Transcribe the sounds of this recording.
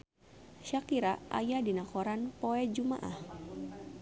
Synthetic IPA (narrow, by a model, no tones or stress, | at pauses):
ʃakiɾaʔʔa̰jadinakoɾanpoɛd͡ʒuma̰ʔa̰h